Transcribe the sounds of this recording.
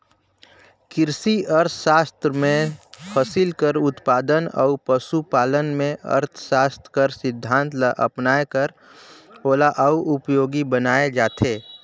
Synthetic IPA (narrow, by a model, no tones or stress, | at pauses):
kɪɾsiəɾt̪ʰʃaːst̪ɾəmẽpʰəsɪlkəɾʊt̪paːd̪ənɔ̰upəsupaːlənmẽʔə̰ɾt̪ʰʃaːst̪ɾkəɾsɪd̪ʱːãːnt̪ləʔə̰pnaːekəɾ | oːlaʔəuʔʊpjoːɡibənaːed͡ʒaːt̪ʰeː